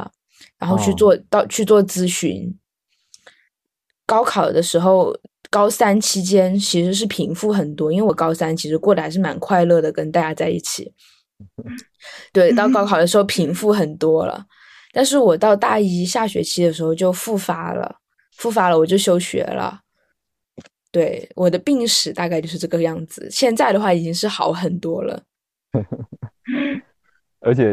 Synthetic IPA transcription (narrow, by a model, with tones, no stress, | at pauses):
ɻa˧˥nxo˥˧ʊt͡ɕʰy˥˧t͡swɔ˥˧t̪ɑ˥˧ʊt͡ɕʰy˥˧t͡swɔ˥˩t͡sɹ̩˥ɕy̰˧˥n | kɑ˥ʊkʰɑ˨˩ʊd̪ə˦ʂɻ̩˧˥xo˥˩ʊkɑ˥ʊsa˥nt͡ɕʰi˧˥t͡ɕjɛ˥nt͡ɕʰi˧˥ʂɻ̩˧˥ʂ̬ɻ̩˥˩pʰi˧˥ŋfu˥˩xə˨˩nt̪wɔ˥i˥nwe˥˩wɔ˧˦kɑ˥ʊsa˥nt͡ɕʰi˧˥ʂɻ̩˧kwɔ˥˩la˧˥ɪʂɻ̩˥˩ma˨˩nkʰwa˥˧ɪlɤ˥˩d̪ə˩kə˥nt̪a˥˧t͡ɕja˥t͡sa˥˧ɪi˥˩t͡ɕʰḭ˨˩˦ | t̪we˥˩ɪt̪ɑ˥˩ʊkɑ˥ʊkʰɑ˨˩ʊd̪ə˦ʂɻ̩˧˥xo˥˩pʰi˧˥ŋfu˥˩xə˨˩nt̪wɔ˥lə̰˨ | t̪a˥˧nʂ̬ɻ̩˥˩wɔ˨˩t̪ɑ˥˧ʊt̪a˥˩i˥ɕja˥˩ɕɥɛ̰˧˥t͡ɕʰi˥d̪ə˨ʂɻ̩˧˥xo˥˧ʊt͡ɕjo˥˧ʊfu˥˩fa˥lə̰˧ | fu˥˩fa˥lə˨wɔ˨˩t͡ɕjo˥˩ʊɕjo˥ʊɕɥɛ̰˧˥lə̰˧ | t̪we˥˩ɪwʔɔ˨˩d̪ə˦pi˥˧ŋʂɻ̩˨˩˦t̪a˥˧k̬a˥˧t͡ɕjo˥˧ʂɻ̩˥˧˥ʈ͡ʂɤ˥˩ɡə˧˩jɑ˥˩ŋd͡zɹ̩˨˩ɕjɛ˥˧nt͡sa˥˩ɪd̪ə˩xwa˥˩i˨˩t͡ɕi˥ŋʂɻ̩˥˩xɑ˧˥ʊxə˨˩nt̪wɔ˥lə̰˨ | ə˞˧˥t͡ɕʰjɛ˨˩